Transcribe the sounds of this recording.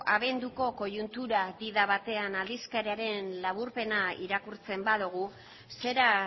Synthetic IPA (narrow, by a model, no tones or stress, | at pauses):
aβe̞nd̪uko̞ko̞junt̪uɾadiðaβat̪e̞anald̪iskaɾeaɾe̞nlaβ̞uɾpe̞naḭɾakuɾt͡se̞mbaðuɣ̞u | se̞ɾa